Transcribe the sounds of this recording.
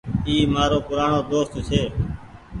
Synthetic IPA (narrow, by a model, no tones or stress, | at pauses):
iːmaːɾoːpʊɾaːɳoːd̪oːst̪t͡ʃʰeː